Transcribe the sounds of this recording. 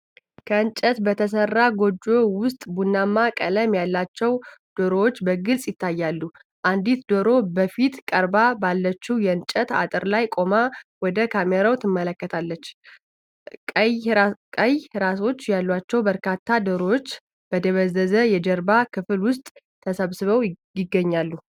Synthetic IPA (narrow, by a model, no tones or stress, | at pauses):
kʰəɨnt͡ʃʼət̪bət̪ʰəsərːaɡo̞d͡ʒo̞wʊst̪ʼbunːamːakʼələmjalːat͡ʃːɛwd̪̥oɾowot͡ʃːbəɡɨlsʼjɪt̪ːajːalːu | ʔand̪it̪d̪oɾo̞bəfit̪kʼəɾbabalːət͡ʃːuwjɛɨnt͡ʃʼət̪a̰t̪ʼɨɾlajkʼo̞mawɔd̪əkʰameɾawt̪ʰɨmːələkːət̪ʰalːət͡ʃː | kʼəjhɾaso̞t͡ʃːjalːat͡ʃːɛwbəɾkʰat̪ːad̪oɾowot͡ʃː | b̥əd̪əβəzːəzəjɛd͡ʒəɾbakʰɨfɨlwʊst̪ʼ | t̪ːʰəsəβsɨβəw | jɪɡːəɲːalːu